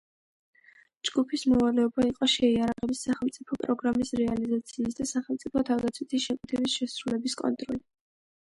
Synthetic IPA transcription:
d͡ʒɡupʰismɔvalɛɔbaiqʼɔʃɛiaɾaʁɛbisaχɛlmt̪sʼipʰɔpʼɾɔɡɾamisɾɛalizat̪sʰiːsd̪asaχɛlmt̪sʼipʰɔt̪ʰavd̪at̪sʰwit̪ʰisʃɛkʼit̪ʰɛbisʃɛsɾulɛbiskʼɔ̰nt̪ʼɾɔli

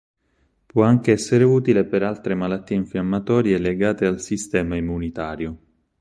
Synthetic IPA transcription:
pwɔaŋk̟eɛsːeɾeuːt̪ilepeɾalt̪ɾemalat̪ːiːeiɱfjamːat̪ɔːɾjeleɡaːt̪ealsist̪ɛːmaimːunit̪aːɾjo

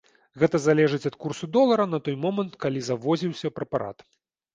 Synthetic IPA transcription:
ɣɛt̪ɐzalʲɛʐɨt͡sʲɐt̪kursud̪ɔlˠɐɾɐnɐt̪ɔjmɔmɐnt̪kalʲizavɔzʲiwsʲɐpɾɛpaɾa̰t̪

